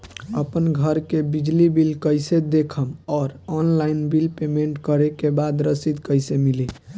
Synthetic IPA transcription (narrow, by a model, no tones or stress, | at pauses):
ə̰pənɡʱəɾkebid͡ʒlibilkəjsed̪ekʰəmɔːɾɔnlajnbilpemeɳʈkəɾekebad̪ɾəsid̪kəjsemili